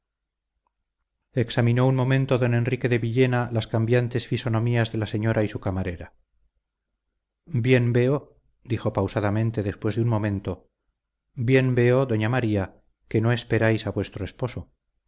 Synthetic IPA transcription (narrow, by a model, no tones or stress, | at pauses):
e̞ksamino̞unmo̞mẽnt̪oðo̞ne̞nrike̞ðe̞βiʎe̞nalaskambjant̪e̞sfiso̞no̞miazðe̞lase̞ɲo̞ɾʔaisukamaɾe̞ɾa | bje̞mbe̞o̞ | d̪ixo̞pawsaðamẽ̞nt̪e̞ðe̞spwe̞zðeunmõ̞mẽ̞nt̪o̞ | bje̞mbe̞o̞ðo̞ɲamaɾia | ke̞no̞e̞speɾajsaβwe̞st̪ɾoespo̞so̞